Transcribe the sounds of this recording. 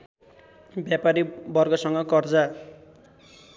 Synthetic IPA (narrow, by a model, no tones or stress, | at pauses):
bjapaɾibʌrɡʌsʌŋɡʌkʌrd͡za